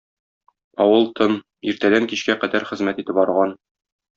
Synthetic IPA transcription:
ɒwɤlˠt̪ʰon | iɾt̪æd̪æŋkiɕkæqæd̪æɾχɘ̆zmæt̪it̪ɘpɒɾʁɑn

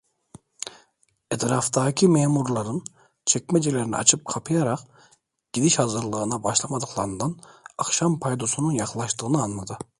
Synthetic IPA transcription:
et̪ʰɾaft̪aːcʰimeːmuɾlˠaɾɯn | t͡ʃʰɛc̚mɛd͡ʒelʲeɾinḭa̰t͡ʃʰɯp̚kʰapʰɯjaɾaq | ɟ̥id̪iʃhazɯɾlˠɯɯnabaʃlˠamad̪ɯqlˠaɾɯnd̪anakʃampʰajd̪o̞sununjaχlˠaʃt̪ɯːnɯanmad̪ɯ

